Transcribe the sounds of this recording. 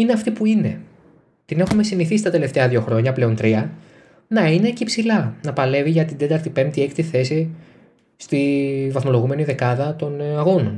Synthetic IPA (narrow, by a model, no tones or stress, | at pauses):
ineɐft̪ipuine̞ | t̪ine̞xume̞siniθist̪ɐt̪e̞le̞ft̪e̞ɐðʝo̞xɾo̞ɲɐple̞o̞nt̪ɾiɐ | nɐine̞cipsilɐnɐpɐle̞viʝɐt̪ind̪e̞t̪ɐɾt̪ipe̞mpt̪ie̞kt̪iθe̞si | st̪ivɐθmo̞lo̞ɣume̞niðe̞kɐðɐt̪o̞nɐɣo̞no̞n